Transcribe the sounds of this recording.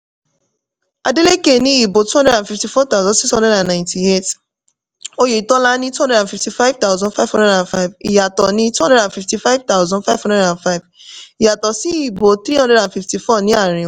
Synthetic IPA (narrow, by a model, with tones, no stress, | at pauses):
a˨de˦le˦ke˨nĩ˦i˨bo˨tu˦hɔ̃˦ndɾɛ˦ã˨nfi˨fti˨fɔ˦t̪a˦ʊzɔ̃˨nsi˦shɔ̃˦dɛ˦dã˨nnã˨ɪ̃nti˨e˦˨t | o˦je˨i˨tɔ˦la˦nĩ˦tu˦ɦɔ̃˦dɛ˨ã˨fi˨fti˨fa˦v̥t̪a˦ʊzɔ̃˦nfa˦ɪv̥hɔ̃˦ndɛ˦dã˨nfa˦ɪ˨vḭ˨ja˨tɔ˨nĩ˦tu˦hɔ̃˦ndɛ˦ɾã˨nfi˨fti˨fa˦ɪ˦vt̪a˦ʊzɔ̃˦nfa˦ɪvhɔ̃˦ndɛ˦ɾã˨nfa˦ɪ˨v | i˨ja˨tɔ˨si˦i˨bo˨t̪ɾi˦ɦɔ̃˦dɛ˦dã˨n˨fi˨fti˨fɔ˦nĩ˦a˨ɾĩ˨